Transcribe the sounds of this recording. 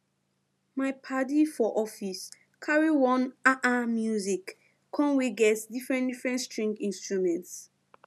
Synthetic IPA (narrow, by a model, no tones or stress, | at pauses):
maɪpʰadifɔʔɔfis | kʰaɹiwɔ̃naʔamjuzikːʰ | ɔ̃nweɡɛtdifɹɛ̃ndifɹɛ̃ntstɹĩŋɡĩnstɹumɛ̃nts